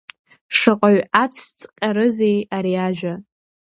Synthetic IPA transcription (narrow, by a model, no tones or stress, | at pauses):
ʂɨqʼaɥat͡sʰt͡sʼqʲʼaɾɨzejaɾiaʒᶣa